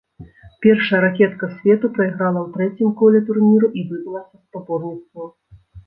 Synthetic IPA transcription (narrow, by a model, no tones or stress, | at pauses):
pʲɛrʂɐjɐɾakʲɛt̪kɐsʲvʲɛt̪upɾɐiɣɾalˠɐwt̪ɾɛt͡sʲimkɔlʲɛt̪urnʲiɾuʔivɨd̪ʲilˠɐsʲɐspabɔrnʲit̪st̪vɐ